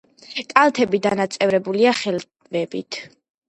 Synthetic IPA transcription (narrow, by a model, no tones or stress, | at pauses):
kʼalt̪ʰɛbid̪anat̪sʼɛvɾɛbuliaχɛl | vɛbit̪ʰ